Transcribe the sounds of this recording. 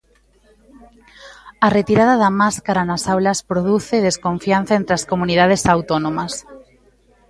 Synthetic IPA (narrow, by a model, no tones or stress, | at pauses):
ɐret̪iɾað̞aðɐmaskaɾanasawlɐspɾoð̞uθeðeskoɱfian̟θaent̪ɾaskomunið̞að̞esawt̪onõmɐs